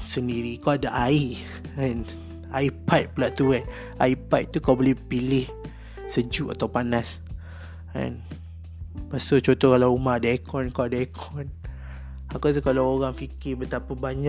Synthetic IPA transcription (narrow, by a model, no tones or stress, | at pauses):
səndiɾikawadaʔai | ɛn | aipat̪̚pəlaʔt̪uan | ʔa̰ipajt̪̚t̪ukawbolɛhpilɪh | səd͡ʒuʔa̰t̪awpanas | ɛ̰n | pasot͡ʃot̪ɔkalawumahadaekɔnkawadaekʰɔn | akos̬ukalawoɾaŋfikɪbət̪apabaɲa